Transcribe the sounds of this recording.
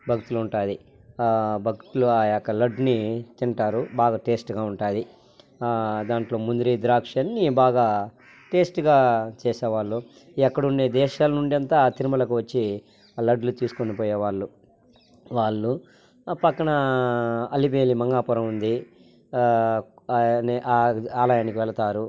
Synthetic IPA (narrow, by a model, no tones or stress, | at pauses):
bʱɐkt̪uluɳʈaːji | bʱɐkt̪uluaːjakːɐlɐɖnit͡ʃ̪iɳʈaːɾubaːɡaːʈe̞ːsʈɡaːuɳʈaːji | d̪aːɳʈlo̞ːmund̪uɾid̪ɾaːkʂɐnːibaːɡaː | ʈe̞ːsʈɡaːt͡ʃɛːsɛːʋaːɭːu | ɛkːɐɽuɳɖeːd̪ɛːʃaːlɐnuɳɖiɐnt̪aːt̪iɾimɐlɐkuʋɐt͡ʃːi | lɐɖlut̪iːsu̥konipɔːjeːʋaːɭːu | ʋaːɭːu | pɐkːɐɳɐ | ɐlipe̞ːlimɐŋɡaːpuɾɐmund̪i | nʔaːaːlaːjaːnikiʋɛlɐt̪aːɾu